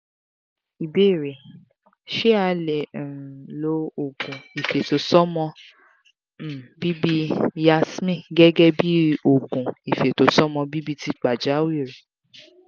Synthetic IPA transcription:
i˨be˦˨ɾe˨ | ʃe˦a˧lẽ˨lo˨˧˦o˨ɡũ˨i˨fe˨to˨sɔ˦mɔ̃˧˦˨ | bi˦bi˦ja˧˦smĩ˦˨ɡɛ˦ɡɛ˦bi˦o˦˨ɡũ˨i˨fe˨to˨sɔ˦mɔ̃˧bi˦bi˦ti˧k͡pa˨d͡ʒa˨˦wi˦˨ɾe˨

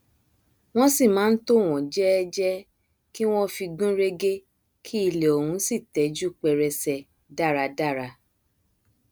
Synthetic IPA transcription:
w̃ɔ̃˦si˦˨mãː˨˦n̩˦to˦˨w̃ɔ̃˨d͡ʒɛ˦ɛ˦d͡ʒɛ˦ | ki˦w̃ɔ̃˦fi˧ɡũ˦ɾe˦ɡe˦ | kʰi˦i˧le˨o˨hũ˨˦si˦˨tɛ˨˦d͡ʒu˦˨k͡pɛ˧ɾɛ˧sɛ˧ | da˦˨ɾa˧da˦˨ɾa˧

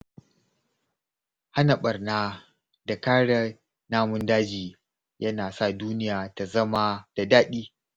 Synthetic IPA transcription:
ha˦na˨ɓɐ˨rnaː˦ | da˨kaː˦ɽa˦ | naː˦mʊ˦ndaː˦d͡ʒiː˨ | jʔɐ˦naː˨sa˦˨duː˦nɪ˦jaː˨ta˨zɐ˦ma˦d̥a˨daː˦ɗiː˦

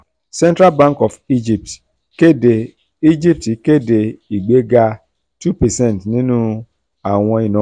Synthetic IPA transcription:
sɛ̃˦ntɾa˦lbã˦ŋkɔ˨fi˦d͡ʒi˨p̚t | ke˦de˨ | i˦d͡ʒi˦p̚ti˨ke˦˨de˨i˨ɡ͡be˨˦ɡa˦ | tu˦pɛ˨sɛ˦˨n˨tnĩ˦nũ˦ | a˨w̃ɔ̃˧i˨nɔ̃˨˦

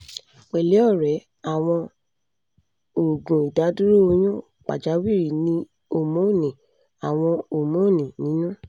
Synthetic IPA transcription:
k͡pɛ˨le˨˦ɔ˦˨ɾɛ˨˦ | a˨w̃ɔ̃˧ | o˨ɡũ˨i˨da˨˦du˦ɾo˦o˧j̃ɔ̃˦ | k͡pa̰˨d͡ʒa˨˦wi˦˨ɾi˨nĩ˧ | o˨mõ˨˦˨nĩ˨ | a˨w̃ɔ̃˧o˨mõ˨˦˨nĩ˨nĩ˨˦nũ˦

